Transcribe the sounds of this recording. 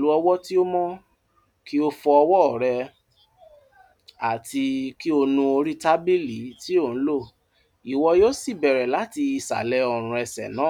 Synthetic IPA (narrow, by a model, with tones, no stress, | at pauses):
lu˨˦ɔ˧wɔ˦ti˦o˦mɔ̃˦ | ki˦o˦fɔ˧ɔ˧wɔ˦ɔ˨ɾɛ˧ | a˨ti˧ki˦o˧nũ˧o˧ɾi˦ta˦bi˦li˨˦ti˦o˦˨ñ̩˦lo˦˨ | i˨wɔ˧joː˦si˦˨bɛ˨ɾɛ˨la˨˦ti˧i˧˨sa̰˨lɛ˨˧˦ɔ˨ɾ̃ũ˧ɛ˧sɛ̰˨nãː˨˦